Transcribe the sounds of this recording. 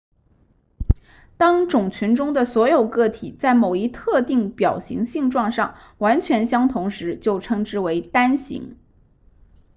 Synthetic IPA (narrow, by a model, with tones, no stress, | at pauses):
t̪ɑ˥ŋʈ͡ʂʊ˨˩ŋt͡ɕʰy˧˥nʈ͡ʂʊ˥ŋd̪ə˨swɔ˧˥jo˨˩ʊkɤ˥˩t̪ʰi˨˩t͡sa˥˩ɪmo˨˩ʊi˥t̪ʰɤ˥˧t̪i˥˩ŋpjɑ˨˩ʊɕḭ˧˥ŋɕi˥˧ŋʈ͡ʂwɑ˥˧ŋʂɑ̰˥˩ŋ | wa˧˥nt͡ɕʰɥɛ˧˥nɕjɑ˥ŋt̪ʰʊ˧˥ŋʂɻ̩˧˥t͡ɕjo˥˩ʊʈ͡ʂʰɤ˧˥ŋʈ͡ʂɻ̩˥we˧˥ɪt̪a˥nɕḭ˧˥ŋ